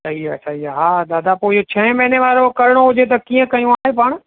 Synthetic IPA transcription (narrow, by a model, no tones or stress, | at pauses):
sɐɦiasʰaɦiaɦaːd̪aːd̪apoːɪot͡ɕʰɐ̃ɦmɐɦneʋaːɾokɐɾɪɽ̃oɦʊd͡ʑet̪̬ɐkiːə̃kɐjũaːɦepaɽ̃